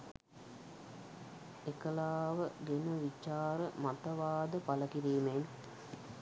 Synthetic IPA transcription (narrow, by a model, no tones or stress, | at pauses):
ekəlaːʋəɡenəʋit͡ʃaːɾəmat̪əʋaːd̪əpaləkiɾiːmen